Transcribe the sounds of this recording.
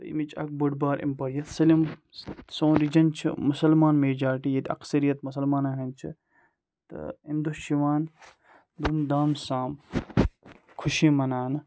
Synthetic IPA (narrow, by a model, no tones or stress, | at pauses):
ɐḭmit͡ʃɐ̰k̚bɐɖbaːɾʔḭmpɐɾijɐt̪sɐlim | sõːɾid͡ʒɐnt͡ʃʰḭmusɐlmaːnmeːd͡ʒaːʈijɐd̪iɐ̰ksɐɾijɐt̪mus̬ɐlmaːnɐɦɐnt͡ʃʰi | t̪ɨ̰ind̪uʃiʋaːn | d̪umd̪aːmsãːm | kʰuʃiːmɐnaːnɨ